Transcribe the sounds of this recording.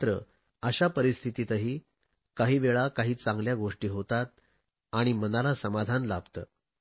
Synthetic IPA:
t̪ɾə | əɕapəɾist̪ʰit̪iːt̪əɦiː | kaɦiːʋeɭakaɦiːt͡sãŋɡljaɡoʂʈiːɦot̪at̪̚ | aɽ̃imənalasəmad̪ʱanlabt̪ə̰

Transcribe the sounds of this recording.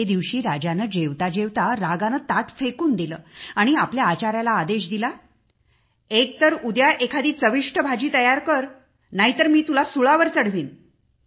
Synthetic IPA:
ed̪iʋɕiːɾad͡ʑanəd͡ʑeʋt̪ad͡ʑeʋt̪aɾaɡanət̪aʈfekuːnd̪iləːaɽ̃iapljaːt͡ɕaɾjalaːd̪eɕd̪ila | ek̚t̪əɾud̪jaʔekʰad̪iːt͡səʋiʂʈəbʱad͡ʑiːt̪əjaɾkəɾ | naɦit̪əɾmiːt̪ulasuɭaʋəɾt͡səɽ̤ʋiːn

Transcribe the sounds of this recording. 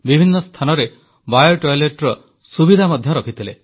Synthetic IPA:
bibʱinːɔst̪ʰanɔɾe | bajɔʈɔjleʈɾɔ | subid̪ʱamɔd̪ʱjɔɾɔkʰit̪ʰile

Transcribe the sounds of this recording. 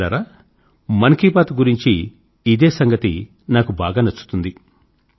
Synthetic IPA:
a̰ːɾaː | mɐnkiːpaːt̪uɡuɾiɲt͡ʃiː | d̪eːsɐŋɡɐt̪i | naːkubaːɡaːnɐt͡ʃːu̥t̪und̪i

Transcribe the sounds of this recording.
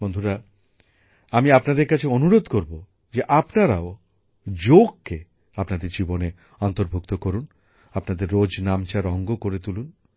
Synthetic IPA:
bond̪ʱuɾa | amiapnad̪eɾkat͡ɕʰeonuɾod̪koɾbo | d͡ʑeʔapnaɾao | d͡ʑoɡ̚kːe | apnad̪eɾd͡ʑibone | ɔnt̪oɾbʱukt̪okoɾun | apnad̪eɾːod͡ʑnamt͡ɕaɾɔŋɡokoɾet̪ulun

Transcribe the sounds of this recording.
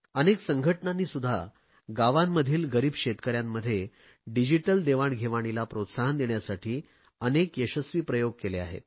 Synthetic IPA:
əneksəŋɡʱəʈnanːiːsud̪ʱːa̰ | ɡaʋamːəd̪ʱiːlɡəɾiːbɕet̪kəɾjamːəd̪ʱːje | ɖid͡ʑiʈəld̪eʋaɳɡʱeʋaɽ̃ilapɾot̪saɦənd̪eɳjasaʈʰiː | ənekjəɕəsʋiːpɾəjoɡ̚kelea̰ɦḛt̪̚

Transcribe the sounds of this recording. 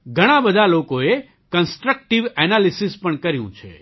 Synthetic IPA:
ɡʱəɽ̃abəd̪ʱalokoe | kənsʈɾək̚ʈiʋɛnalisispəɳkəɾjṵ̃t͡ʃʰḛ

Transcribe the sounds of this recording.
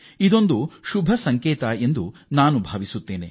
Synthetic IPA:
id̪o̞nd̪uʃubʱɐsɐŋkɛːt̪ɐe̞nd̪unaːnubʱaːʋisut̪ːeːne

